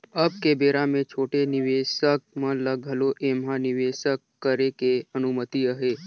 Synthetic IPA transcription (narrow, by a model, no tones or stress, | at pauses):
əb̚kebeːɾamẽt͡ʃʰoːʈenɪʋeʃək̚mə̃ləɡʱəloʔemɦãnɪʋeʃəkːəɾekeənumət̪iəɦe